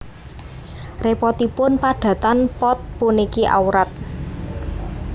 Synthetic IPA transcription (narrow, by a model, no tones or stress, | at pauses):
repɔt̪ipʊnpaɖ̥ä̤t̪anpɔt̪̚punikiʔa̰uɾat̪̚